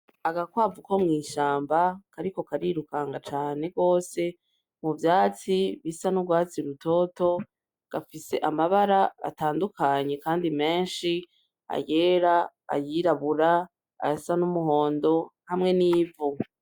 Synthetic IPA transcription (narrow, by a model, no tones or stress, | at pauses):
aɡakwaːvuko̞mŋiːʃaːmbakaɾiko̞kaɾiɾukaːŋɡat͡ʃaːne̞ɡo̞ːse̞ | muvjaːt͡siβisanuɡwaːt͡siɾuto̞ːto̞ | ɡ̥afise̞ʔamaβaɾaa̰taːndukʰaɲe̞kaːndime̞ːnʃi | a̰je̞ːɾa̰ː | jiɾaβuɾa̰ː | jasanumuho̞ːndo̞hamŋe̞niːvu